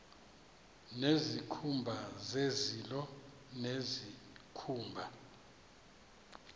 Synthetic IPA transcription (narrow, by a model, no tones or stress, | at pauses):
nezikʰumbʱazezilɔ | nezikʰuːmbʱa